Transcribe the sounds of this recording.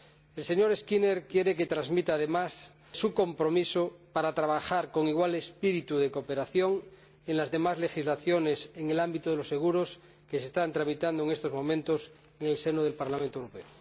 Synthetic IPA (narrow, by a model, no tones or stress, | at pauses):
else̞ɲo̞ɾeskineɾkje̞ɾeket̪ɾazmit̪aːð̞e̞mas | suko̞mpɾo̞misopaɾat̪ɾaβ̞axaɾko̞ŋiɣwalespiɾit̪uðekope̞ɾaθjo̞ŋ | enlazðe̞mazle̞xizlaθjone̞seŋe̞lambit̪oð̞elosːeɣ̞uɾos | kesest̪ant̪ɾamit̪and̪oeŋest̪ozmõ̞mẽnt̪os | eŋelsenoðe̞lpaɾlamẽnt̪oewɾope̞o